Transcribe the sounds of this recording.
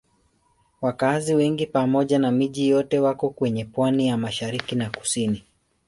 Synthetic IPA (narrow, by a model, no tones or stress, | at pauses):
wakaziwɛŋɡipamɔʄanamiʄijɔtɛwakɔkwɛɲɛpwanijamaʃaɾikinaku̥sini